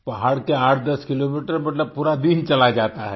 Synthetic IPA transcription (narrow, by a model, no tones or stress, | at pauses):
pɐɦaːɽkeaːʈʰd̪ɐskɪlomiːʈəɾmɐt̪ləb̚puːɾad̪int͡ʃɐlad͡ʒaːtt̪aɦɛː